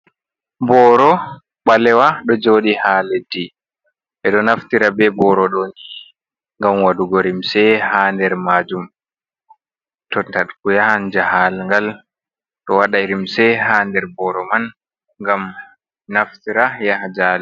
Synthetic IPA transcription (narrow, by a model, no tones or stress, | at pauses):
bɔːɾɔ | ɓalɛwaɗɔd͡ʒoːɗihaledi | ʔɛɗɔnaftiɾabɛbɔɾɔɗɔni | ŋɡamwaduɡɔɾimsɛhandɛɾmad͡ʒum | tɔtaɗkujaand͡ʒahalŋɡal | ɗɔwaɗaɾimsɛɦhaːndɛɾbɔɾɔman | ŋɡam | naftiɾajahad͡ʒalɛ